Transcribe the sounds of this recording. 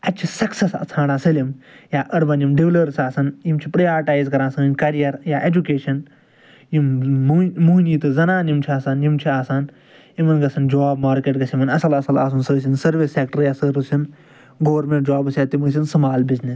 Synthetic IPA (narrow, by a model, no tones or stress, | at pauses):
ɐt͡ʃʰisɐksesa̰t͡sʰãːɽaːsɐlimjaːʔɐɽbɐnimɖiʋlɐɾsaːsɐnjimt͡ʃʰipɾɐjaːɾiʈaːjzkɐɾãːsɐnɨnkɐɾijɐɾjaːʔed͡ʒukeːʃɐn | jim | muːniːt̪ɨzɐnaːnjimt͡ʃʰiaːsaːnjimt͡ʃʰiaːsaːn | jimɐnɡɐsɐnd͡ʒaːbmaːɾkeːʈ̚ɡɐsimɐnɐsɐlɐsɐlaːsunsəːs̬insɐɾʋisːeːk̚ʈɐɾjaːsɨɾusin | ɡoːʋɐɾmẽɳʈ̚d͡ʒaːbɨsʲaːt̪imɨs̬ʲinsɐmaːlbiznis